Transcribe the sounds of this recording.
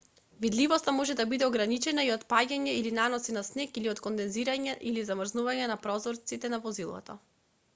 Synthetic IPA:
vid̪livɔst̪amɔʒɛd̪abid̪ɛɔɡɾanit͡ʃɛnaiɔt̪paɟaɲɛilinanɔsinasnɛkiliɔt̪kɔnd̪ɛnziɾaɲɛʔilizamɾznuvaɲɛnapɾɔzɔɾt̪sit̪ɛnavɔzilˠɔ̰t̪a̰

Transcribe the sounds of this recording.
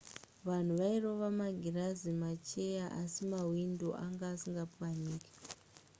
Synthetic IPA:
ʋan̤uʋairoʋamaɡʱirazimat͡ʃejaʔasimawindoʔaŋɡaːsiŋɡapuwaniːke̥

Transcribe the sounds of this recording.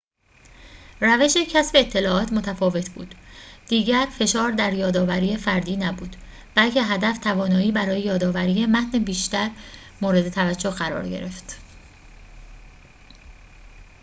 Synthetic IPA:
ræve̞ʃe̞cʰæsbeːt̪ʰːe̞lɒːʔɒːt̪ʰmo̞t̪ʰæfɒːve̞t̪ʰbṵːd̪̥d̪̥iːɟæɾfe̞ʃɒːɾd̪æɾjɒːd̪ɒːvæɾiːjefæɾd̪iːnæbuːd̪̥ | b̥ælcʰe̞ɦæd̪æft̪ʰævɒːnɒːiːbæɾɒːjejɒːd̪ɒːvæɾiːjemæt̪ʰnebiːʃt̪æɾ | moːɾe̞d̪e̞t̪ʰævæd͡ʒːohɢæɾɒ̰ːɾɟe̞̰ɾe̞ft̪

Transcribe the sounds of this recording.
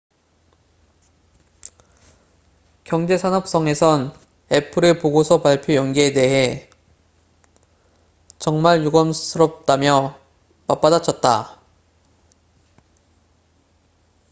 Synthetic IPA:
kjʌŋd͡ʑe̞sʰanɦʌp̚s͈ʌŋe̞sʰʌn | e̞pʰɯɾepoɡosʰʌpaɭpʰjojʌŋɡiede̞ɦe̞ | t͡ɕʌŋmaɭjoɡʌmsʰɯɾʌp̚t͈amjʌ | map͈adat͡ɕʰʌt̚t͈a

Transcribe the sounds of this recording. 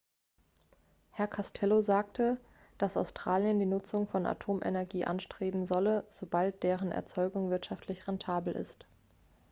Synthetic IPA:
hɛɐkʰastʰɛlozaːk̚tʰə | d̥asaʊstʁ̥aːljəndiːnʊt͡sʊŋfɔnʔa̰tʰoːmʔḛnɛɐɡiːʔa̰nʃtʁ̥eːbm̩zɔləz̥obalt̚d̥eːʁ̞ənɛ̰ɐt͡sɔʏɡʊŋvɪɐtʃaftʰlɪçʁɛntʰaːbl̩ʔɪ̰st

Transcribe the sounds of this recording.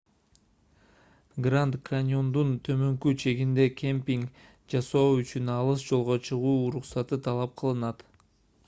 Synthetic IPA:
ɡrant̪kanʲo̞nd̪unt̪ʰø̞mø̞ŋkyt͡ʃʰe̞ɡind̪e̞kʲempʲiŋk | d͡ʒɑsoːyt͡ʃynɑlˠɯsd͡ʒo̞lˠʁo̞t͡ʃʰɯʁuːɾuqsɑt̪ɯt̪ʰɑlˠɑp̚qʰɯlˠɯnɑt̪

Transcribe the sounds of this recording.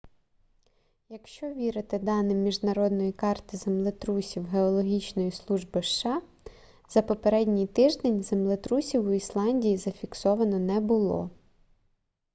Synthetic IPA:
jɐkʃt͡ʃɔʋʲiɾɪt̪ɪd̪ɑnɪmʲːiʒnɐɾɔd̪nɔjikɑrt̪ɪzemlˠɪt̪ɾusʲiwɦeɔlˠɔɦʲit͡ʃnɔjislˠuʒbɪʃːɑ | z̥ɐpɔpeɾɛdʲnʲijt̪ɪʒd̪enʲzemlˠɪt̪ɾusʲiwʊislˠɑnʲdʲijizɐfʲiksɔʋɐnɔnɛbʊlˠɔ̰

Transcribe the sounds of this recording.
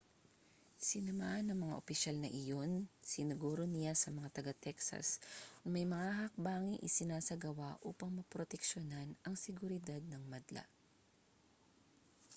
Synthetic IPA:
sɪnɐmaʔɐnɐŋmɐŋa̰ʔopɪʃalnɐʔɪjo̞nsɪnʊɡuːɾo̞nɪjasɐmɐŋat̪ɐɡat̪ɛksɐ̰sʊŋmɐjmɐŋahɐk̚baːŋɪʔɪ̰sɪnaːsɐɡɐwaʔuːpɐŋmɐpɾot̪ɛkʃonanɐŋsɛɡʊɾɪd̪ad̪̚nɐŋmɐd̪la̰ʔ

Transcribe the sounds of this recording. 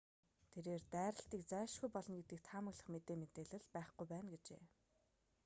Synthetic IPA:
t̪ʰeɾeːrt̪æːɾə̆ɬt̪iːk̚t͡sæːʃɡujpɔɮɞ̆nɡet̪ɘ̆k̚t̪ʰaːmə̆ɣɮə̆χmet̪eːmet̪eːɮɘ̆ɮpæːχɡujpæːnɡet͡ɕḛː

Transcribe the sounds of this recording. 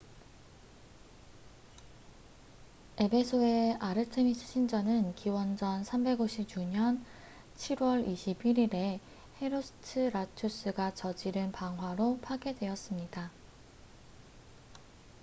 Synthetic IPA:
e̞bʰe̞sʰoe̞aɾɯtʰemisʰɯ̥ɕʰind͡ʑʌnɯnkiwʌnd͡ʑʌnsʰambe̞ɡoɕʰip̚t͡ɕuɲʌn | t͡ɕʰiɾwʌɾiɕʰibiɾiɾe̞ | he̞ɾosʰɯ̥tʰɯɾat͡ɕʰos͈ɯɡat͡ɕʌd͡ʑiɾɯnpaŋɦwaɾopʰaɡe̞dwe̞ʌs͈ɯmɲida

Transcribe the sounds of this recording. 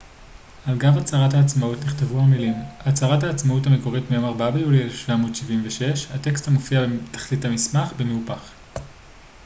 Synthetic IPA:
alɡavat͡saʁathaːt͡smautniχtevuhamilimat͡saʁathaːt͡smautameko̞ʁitmejo̞maʁbabeulielefʃv̥amo̞ːdʃivimveʃe̞ʃhateksthamofiabetḁχlithamismaχbemeupaχ

